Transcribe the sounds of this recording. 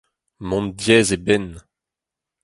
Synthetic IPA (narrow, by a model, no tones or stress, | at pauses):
mɔ̃mdjɛːzebɛn